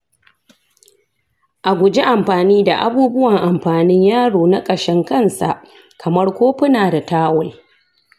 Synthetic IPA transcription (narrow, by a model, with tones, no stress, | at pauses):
ʔa˨ɡʷʊ˨d͡ʒe˦ʔa˨mɸaː˨niː˦da˨ʔa˦buː˦bʊ˦wɐ˨ŋʔa˨mɸaː˨nɪ˦ɲjaː˦ɽoː˨na˦kʼɐ˨ʃɛ˦ŋkɐ˦˨nsa̰˨ʔ | kʰɐ˨mɐ˦rkʷoː˦ɸɪ˦naː˨da˨taː˦wɐ˦